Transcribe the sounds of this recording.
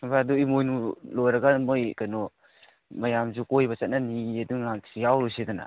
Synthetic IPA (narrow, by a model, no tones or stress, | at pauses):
baduimojnulojɾɐɡamojkajnɔ | majamzukojbat͡ʃat̚nanieduŋasiawlojsedana̰